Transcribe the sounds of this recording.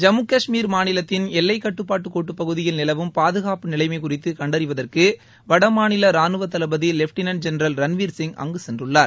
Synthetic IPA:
d͡ʒɐmɯkːɐʂmiːɾmaːnɪlɐt̪ːɪnɛlːɐɪkːɐʈːɯpːaːʈːɯkːoːʈːɯpːɐɣɯðɪjɪlnɪlɐʋɯmpaːðɯɣaːpɯnɪlɐɪmɐɪkʊrɪt̪ːɯkɐɳɖɐɾɪʋɐðɐrkɯ | ʋɐɽɐmaːnɪlɐɾaːnɯʋɐt̪ɐlɐbɐðilɛfʈɪnɐnd͡ʒɛnɾɐlɾɐnʋiːɾsɪŋɡɐ̰ŋɡɯsɛndrɯɭːaːɾ

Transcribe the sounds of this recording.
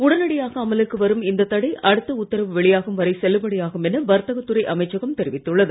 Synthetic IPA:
ʊɽɐnɐɽɪjaːɣɐːmɐlɯkːɯʋɐɾɯmɪnd̪ɐt̪ːɐɽɐɪʔɐɽɯt̪ːɐʊt̪ːɐɾɐʋʋɛɭɪjaːɣɯmʋɐɾɐɪsɛlːɯpɐɽɐjaːɣɯmɛnɐʋɐɾt̪ːɐɣɐt̪ːɯɾɐɪʔɐmɐɪt͡ʃːɐɣɐmt̪ɛɾɪʋɪt̪ːɯɭːɐðɯ

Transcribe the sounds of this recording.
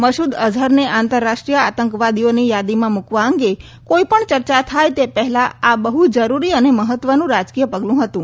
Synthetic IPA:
məʃud̪əd͡ʒʱəɾneʔãnt̪əɾːaʃʈɾijəat̪əŋkʋad̪ijonijad̪imãmukʋãəŋɡe | koipəɳt͡ʃəɾt͡ʃat̪ʰajt̪epəɦɛlaabəɦud͡ʒəɾuɾiəneməɦət̪ːʋənũɾad͡ʒkijəpəɡlũɦət̪ũ

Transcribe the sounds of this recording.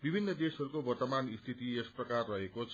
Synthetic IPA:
bibʱinːʌd̪esʌɾukobʌrt̪ʌmanist̪ʰit̪iesprʌkarːʌɦekot͡sʰ

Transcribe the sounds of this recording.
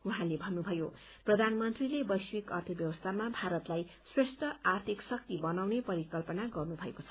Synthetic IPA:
uɦãlebʱʌnːubʱʌjo | prʌd̪ʱanmʌnt̪rilebʌjswikʌrt̪ʰʌbjʌwʌst̪ʰamabʱaɾʌt̪laj | sresʈʰʌart̪ʰiksʌk̚t̪ibʌnawnepʌɾikʌlpʌnaɡʌrnubʱʌekot͡sʰʌ

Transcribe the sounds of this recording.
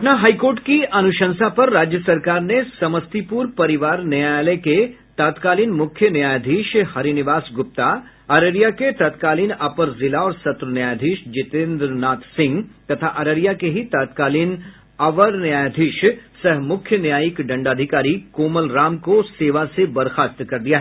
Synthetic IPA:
ɐpnaɦaːikoːɾʈkiʔɐnʊʃə̃nsapɐɾːaːd͡ʒjəsɐɾkaːɾnesɐməst̪ipuːɾpɐɾɪʋaːɾnɐjajaleke | t̪aːt̪kaːliːnmʊkʰjənjaːjd̪ʱiːʃhɐɾinɪʋaːsɡʊp̚t̪a | ɐɾəɾijaket̪ɐt̪kaːliːnɐpəɾzɪlaɔːɾsɐt̪ɾənjaːjd̪ʱiːʃd͡ʒɪt̪ẽːnd̪ɾnaːt̪sɪ̃ŋɡt̪ɐt̪ʰaʔɐɾəɾijakeɦit̪aːt̪̚kaːliːn | ɐʋəɾnjaːjd̪ʱiːʃsɐɦmʊkʰjənjaːjikɖɐ̃ɳɖaːd̪ʱɪkaːɾikoːməlɾaːmkoseːʋasebɐɾxaːst̪kɐɾd̪ijaɦɛ

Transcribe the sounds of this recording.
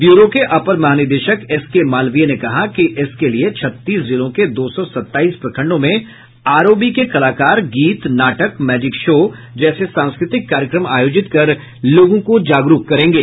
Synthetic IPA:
juːɾokeʔɐpəɾmɐɦaːnɪd̪eːʃəkɪskemaːlʋijenekɐɦakiʔɪskeliet͡ʃʰɐt̪ːiːszɪlõked̪oːsɔsɐt̪ːaːiːspɾɐkʰə̃ɳɖõmẽ | aːɾoːbikekɐlaːkaːɾɡiːt̪naːʈəkmɛːd͡ʒɪkʃoː | d͡ʒɛːsesãːñskɾɪt̪ɪkːaːɾjəkɾəmaːjoːd͡ʒɪt̪kɐɾ | loːɡõkod͡ʒaːɡɾuːkkɐɾẽːŋɡeː

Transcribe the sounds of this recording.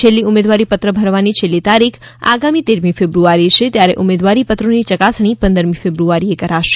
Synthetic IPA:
t͡ʃʰelːiʊmed̪ʋaɾipət̪ɾəbʱəɾʋanit͡ʃʰelːit̪aɾikʰa̰ɡamit̪eɾmifebɾuaɾiʃet̪jaɾeʔumed̪ʋaɾipət̪ɾonit͡ʃəkasɳ̃ipə̃nd̪əɾmĩfebɾuaɾiekəɾaʃe̥

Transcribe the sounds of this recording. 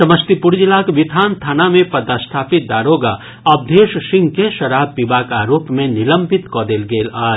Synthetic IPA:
sɐməst̪ipʊɾd͡ʒilakʋɪt̪ʰaːnt̪ʰaːnamẽpɐd̪ast̪ʰaːpɪt̪̚d̪aːɾoːɡa | ɐb̚d̪ʱeːʃʃɪ̃ŋɡkeʃɐɾaːb̚ːibaːkaːɾoːpmẽnɪlə̃mbʱɪt̪kɔːd̪eːlɡeːlaːd͡ʒ

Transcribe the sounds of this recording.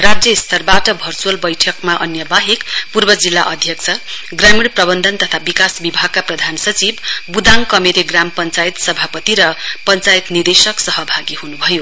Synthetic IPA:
rad͡zrjʌist̪ʰʌrbaʈʌbʱʌrt͡suʌlbʌjʈʰʌkmaʔʌnjʌbaɦikpurbʌd͡zilːaʔʌd̪ʱjʌk̚t͡sʰʌ | ɡramiɽprʌbʌnd̪ʱʌnt̪ʌt̪ʰabikasbibʱaɡ̚kaprʌd̪ʱansʌt͡sibːud̪aŋkʌmeɾeɡrampʌnt͡sajt̪sʌbʱapʌt̪iɾʌpʌnt͡sajt̪nird̪esʌksʌɦʌbʱaɡiɦunubʱʌjo

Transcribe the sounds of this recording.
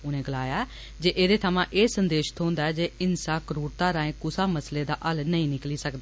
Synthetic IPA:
ʊnẽːɡəlaːjaː | d͡ʒeːʔeːd̪eːt̪ʰəmãːʔeːsənd̪eːʃt̪ʰõːnd̪aːɛːd͡ʒeːɪnsaːkəɾuːɽt̪aːɾãːẽːkʊsaːməsleːd̪a̰ːʔəlnəĩːnɪkliːsəkd̪aː

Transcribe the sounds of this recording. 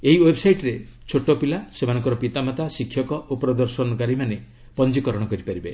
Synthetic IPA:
eɦiwebsajʈɾet͡ʃʰoʈopilasemanɔŋkɔɾɔpit̪amat̪asikʰːjɔkɔʔopɾɔd̪ɔɾsɔnɔkaɾimane | pɔnd͡ʒikɔɾɔɽ̃ɔkɔɾipaɾibe

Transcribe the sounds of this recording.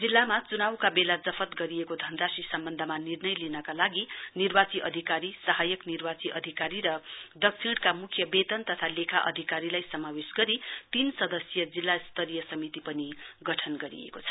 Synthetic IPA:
d͡zilːamat͡sunawkabelad͡zʌpʰʌt̪ɡʌɾiekod̪ʱʌnrasisʌmbʌnd̪ʱʌmanirnʌjlinʌkalaɡinirbat͡siʔʌd̪ʱikaɾisʌɦajʌknirbat͡siʔʌd̪ʱikaɾiɾʌd̪ʌksʰiɽkamukʰjʌbet̪ʌnt̪ʌt̪ʰalekʰaʔʌ̰d̪ʱikaɾilajsʌmawesɡʌɾit̪insʌd̪ʌsjʌd͡zilːast̪ʌɾijʌsʌmit̪ipʌniɡʌʈʰʌnɡʌɾḭḛkot͡sʰʌ̥

